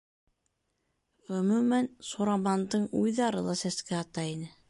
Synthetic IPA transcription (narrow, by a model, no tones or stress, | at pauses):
ʁɵ̆mʉmænsoɾɑmɑnd̪ɤɴujðɑɾɤ̰lˠɑsæskæɑt̪ɑinɘ